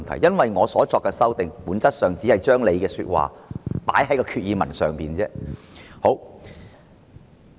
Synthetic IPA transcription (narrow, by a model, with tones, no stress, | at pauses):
nt̪ʰɐ̰˨˩jɐ˥nwɐ˨jŋɔː˨˧sɔː˨˥t͡sɔː˧kːɛ˧sɐ˥wt̪ɪ˨ŋpuː˨˥nt͡sɐ˥t̚sœː˨ŋt͡siː˨˥hɐ˨jt͡ʃœː˥ŋle˨˧jkɛː˧syː˧t̚wa̰ː˨paː˨˥jɦɐ˨˥jkɔː˧kʰyː˧t̚jiː˨˧mɐ˨˩nsœː˨˩ŋpiː˨nt͡sɛː˥ho˨˥w